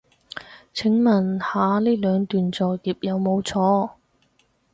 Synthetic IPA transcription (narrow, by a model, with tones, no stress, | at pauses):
t͡sʰɪ˨˥ŋmɐ˨˩nhaː˨˧liː˥lœː˨˧ŋt̪yː˨nt͡sɔː˨kiː˨p̚jɐ˨˧wmo˨˧wt͡sʰɔː˧˥